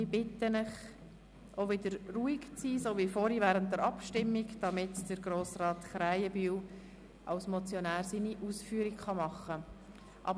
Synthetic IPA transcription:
ib̥ɪtənəχ | ʔoʋɪdəɾruːiɡt͡siːsovifoːɾivæːɾənt̚dəɾɑpʃtɪmːiɡd̥ɑmɪtd̥əɾɡɾoːsrɑːtχɾæɪəbyːl | ʔɑ̰ʊsmɔt͡sjɔnæːɾsiniʔuːsfyːɾikχɑmɑχːə | ʔɑ̰b

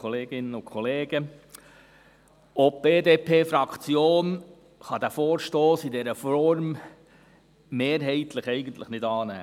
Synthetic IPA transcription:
ɔleːɡ̥ɪnəʊkχɔleːɡə | ɔp̚b̥eːd̪eːpʰeːfɾɑkt͡sjoːn | χɑd̪æfoːɾʃtoːsid̪ɛɾəfɔɾm | meːɾɦɛɪt̪ləχɛɪɡənt̪ləχnɪdɑːnæ̰ː

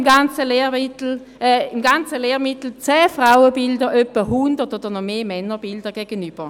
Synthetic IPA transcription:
ɡant͡səleːmit̩ː | imɡant͡səleːʁmɪt̪l̩t͡sɛːfʁaʊəbɪldəʔœpːəɦundətod̥əʁnɔmeːmɛnːəbɪldəɡɛɡənyb̥əʁ

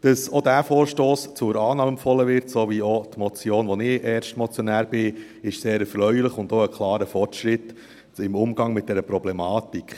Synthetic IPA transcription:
d̥ɑsodæːfoːɾʃtoːst͡sʊɾɑːnɑːməmfɔlːəvɪɾtsoʋiot̪mɔt͡sjoːnʋɔnɪɛːɾʃtmɔt͡sjɔnæːɾb̥ɪ | ɪʃseːɾɛɾfɾœʏlɪχʊnd̪oəkʰlˠɑːɾəfɔrtʃɾɪt | ɪmʊmɡ̥ɑŋmɪt̚d̥ɛɾəpɾɔblɛmɑːt̪ikχ

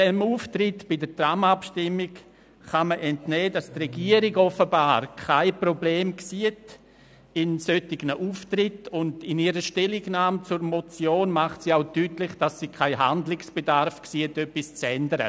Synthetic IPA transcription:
d̥ɛmuːftrɪtb̥ɪdətramapʃtɪmːɪk | χaməʔɛntnɛːdastrɛɡiəɾiɡɔfəbaːɾkʰaɪprobleːmksiət | ɪnsøtɪɡ̥nəʔuːftrɪtʊndɪniəɾəʃtɛlɪɡnaːmt͡sʊɾmɔt͡sjoːnmaχtsiaʊtyːtlɪχd̥asːikʰaɪɦandlɪksb̥edaɾfksiːətœpːist͡sɛndəɾə̰

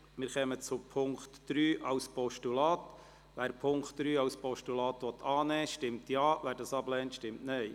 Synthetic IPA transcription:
mɪːɾχɛmət͡sʊpʰʊŋkt̪d̥ɾyːʔɑwspɔʃtulɑːt̪ | ʋæːɾpʰʊŋktd̥̪ɾyːɑwspɔʃtulɑːt̪ʋɔt̪ʰɑːnɛːʃtɪmtjɑːʋæːɾdɑsɑblɛːntʃtɪmtnɛɪ

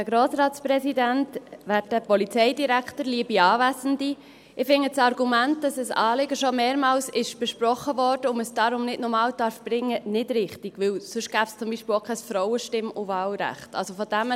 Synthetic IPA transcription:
əɡɾoːsɾɑːtt͡spɾɛsidæntʋæːt̚əpɔlit͡sɛɪdiɾæktəɾliːəbiɑːvæsəndi | ɪfɪŋːət͡sɑɾɡumænt̚d̥ɑsəsɑːlɪɡəʃomeːɾmɑːlsɪʃb̥ɛʃpɾɔχːəvɔrd̥əʊməsd̥ɑɾʊmnɪdnɔɾmɑːldɑɾfb̥ɾɪŋːənɪdɾɪχtiɡ̥ʋɪwsɵʃɡ̥æːbst͡sʊmbiːʃpɪlokʰɛsfɾɔʊəʃtɪmʊvɑːlɾæ̰χtɑ̰lsofɔd̥æm

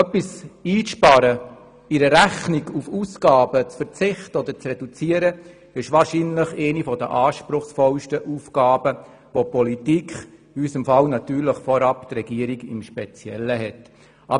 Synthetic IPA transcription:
œpːisiːʃpɑɾə | iɾəɾæχniɡufuːsɡɑːbət͡sfəɾt͡sɪχt̪əɔd̪əɾt͡srɛdut͡siəɾə | ɪʃʋɑːɾʃinləχɛɪnifɔd̪ə̰ʔɑːʃpɾʊχsfɔlʃtəʔuːfɡ̥ɑːbə | ʋopɔlit̪ikχ | ysəmfɑlnɑt̪yːɾləχfɔɾɑpt̪rɛɡiəɾiɡɪ̰mʃpɛt͡sjɛ̰lːəɦɛt | ʔɑb

